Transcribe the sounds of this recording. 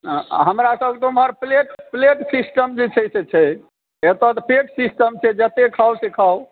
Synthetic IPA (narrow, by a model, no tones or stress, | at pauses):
ɦəmɾasəbket̪umɦəɾpleʈpleʈsisʈəmd͡ʒet͡ʃʰɛt͡ʃʰɛt͡ʃʰɛ | et̪ɔt̪pʰeʈsisʈəmt͡ʃʰɛd͡ʒət̪ekʰawsikʰaw